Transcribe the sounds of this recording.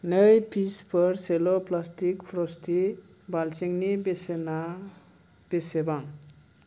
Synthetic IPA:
nəjpʰispʌɾseloplasʈikpʰɾɔsʈibalseŋnibesena | b̥esebaŋ

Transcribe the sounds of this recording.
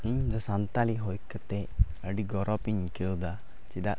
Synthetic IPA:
iɲd̪ɔsant̪aliɦɔjkət̪ɛ | əɖiɡɔɾɔpiɲkewd̪a | t͡ʃiɗaʔ

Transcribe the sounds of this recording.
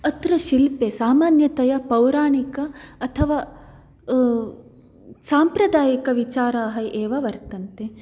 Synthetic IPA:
ɐt̪ɾɐʃilpesaːmaːnjɐt̪ɐjɐpɐwɾaːɳikɐːt̪ʰɐʋaː | saːmpɾɐd̪aːjɐkɐʋit͡ʃaːɾaːɦɐʔeːʋɐʋɐɾt̪ɐnt̪e

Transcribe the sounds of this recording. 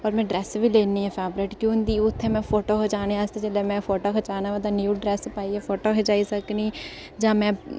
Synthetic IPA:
pəɾmɛ̃ːɖɾɛːsʋiːleːnːiːɦɛpʰɛːbɾeːʈkjõːnd̪iːʊt̪ʰːemɛ̃ːpʰoːʈoːɦot͡ʃaːneast̪et͡ʃelemɛ̃ːpʰoːʈoːkət͡ʃaːnaʋaːd̪aːnjuːɖɾɛːspaːiɛpʰoːʈoːɦɛd͡ʒaːisəkniː | d͡ʒãːmɛ̃ː

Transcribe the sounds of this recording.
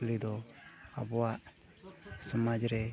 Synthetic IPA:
lid̪ɔa̰bɔwaʔ | sɔmad͡ʒɾɛ

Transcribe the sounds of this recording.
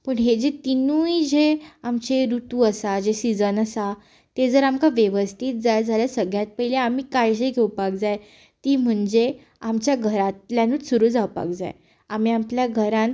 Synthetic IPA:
pəɳɦed͡ʑet̪inujd͡ʑeamt͡ɕeɾut̪uːəsad͡ʑesid͡zənəsa | t̪ed͡zəɾamkaʋjeʋəst̪ʰiːt̪̚d͡zajd͡zʱaljasəɡjat̪̚pəileamiːkajɕ̬eɡʱewpak̚d͡zaj | t̪iːm̤əɳd͡ze | amt͡ɕjaɡʱəɾat̪ljanuːsuɾuːd͡zawpa̰kd͡za̰j | am̤iːapljaɡʱəɾãn

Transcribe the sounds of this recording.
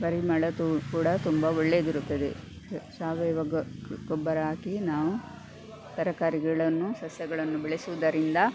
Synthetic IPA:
bɐɾimɐɭɐt̪ukuːɽɐt̪umbɐɔɭːed̪iɾut̪ːɐd̪e | saːʋɛːʋɐɡɡɔbːɐɾɐɦaːkinaːʋu | t̪ɐɾɐkaːɾiɡɐɭɐnːusɐsjɐɡɐɭɐnːubeɭesuʋɐd̪ɐɾind̪ɐ

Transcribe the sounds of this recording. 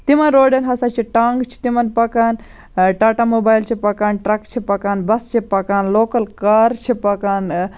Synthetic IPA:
t̪imɐnɾoːɖenɦɐsat͡ʃʰiʈaːŋɡt͡ʃʰi̥t̪imɐnpɐkaːn | ʈaːʈamoːbaːjlt͡ʃʰipɐkaːnʈɾɐkt͡ʃʰipɐkaːnbɐst͡ʃʰipɐkaːnloːkɐlkaːɾt͡ʃʰipɐkaːn

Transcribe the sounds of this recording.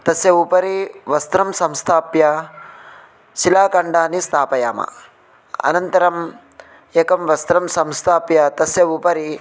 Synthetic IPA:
t̪ɐsjɐupɐɾiʋɐst̪ɾɐmsɐmst̪ʰaːpjɐ | ʃilaːkɐɳɖaːnist̪ʰaːpɐjaːmɐ̰ | ɐ̰nɐnt̪ɐɾɐm | eːkɐmʋɐst̪ɾɐmsɐmst̪ʰaːpjɐt̪ɐsjɐupɐɾi

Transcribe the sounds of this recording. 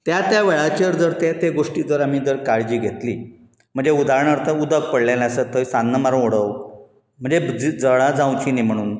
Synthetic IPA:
t̪jat̪jaʋɛɭat͡ɕəɾd͡zəɾt̪et̪eɡoʂʈid͡zəɾam̤id͡zəɽkaɭd͡ʑiːɡʱet̪li | m̤əɳd͡zeud̪aɾɳəɾt̪əud̪ək̚pəɽlelãsət̪ːəsanːəmaɾoɽəw | m̤əɳd͡zed͡zd͡zəɭad͡zãwt͡ɕinim̤əɽ̃uːn

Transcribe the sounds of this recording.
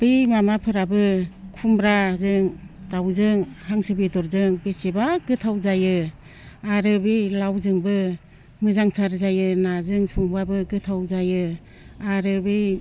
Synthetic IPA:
b̥ɯjmamapʰɯɾabɯkʰumbɾazɯŋtawzɯŋhaŋsɯbidɔɾzɯŋbesebaɡɯtʰawzajɯ | aɾɯbɯjlawzɯŋbɯ | ŋɯzaŋtʰaɾzajɯnazɯŋsɔŋbabɯɡɯtʰawzajɯ | aɾɯbɯ

